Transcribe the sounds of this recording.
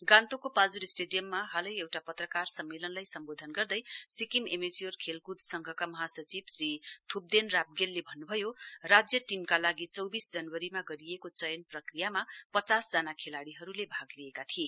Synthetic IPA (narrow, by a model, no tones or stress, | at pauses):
ɡãnt̪okopald͡zuɾesʈeɖijʌmːaɦalʌjewʈapʌt̪rʌkarsʌmːelʌnlajsʌmbod̪ʱʌnɡʌrd̪ʌjsikimemed͡ziorkʰelkud̪ʱsʌŋɡʱʌkamʌɦasʌt͡sibsrit̪ʰub̚d̪enrab̚ɡelːebʱʌnːubʱʌjorad͡zjʌʈimkalaɡit͡sʌwbisd͡zʌnwʌɾimaɡʌɾijekot͡sʌjʌnprʌkrijamapʌt͡sasd͡zanakʰelaɽiɦʌɾulebʱaɡliekat̪ʰie